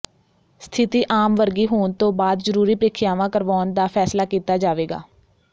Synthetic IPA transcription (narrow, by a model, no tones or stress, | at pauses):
st̪ʰɪt̪iːʔaːmʋəɾɡiːɦoːnt̪õːbaːd̪zəɾuːɾiːpɾɪkʰɪjaːʋãːkəɾʋaːnd̪aːpʰɛːslaːkiːt̪aːd͡ʒaːʋeːɡa̰ː